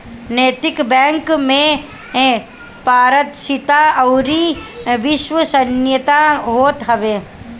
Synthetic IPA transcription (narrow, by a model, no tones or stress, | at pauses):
neːt̪ɪkbɛ̃ːŋkmẽ | paːɾət̪ʃɪt̪aɐʊɾiʋɪʃʋəsənjət̪aɦoːt̪ɦɐʋeː